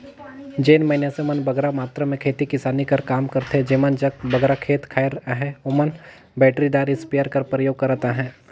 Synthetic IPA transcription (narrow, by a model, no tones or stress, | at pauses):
d͡ʒeːnmɐɪnjasemɐnbɐɡɾamaːt̪ɾəmẽkʰeːt̪ikɪsaːnikɐɾkaːmkɐɾt̪ɦɛd͡ʒeːmənd͡ʒɐk̚bɐɡɾakʰeːt̪kʰaːɪɾɦɛ̃omən | bɛːʈɾid̪aːɾɪspijəɾkɐɾpɾəjoːɡ̚kɐɾat̪aɦɛ̃ː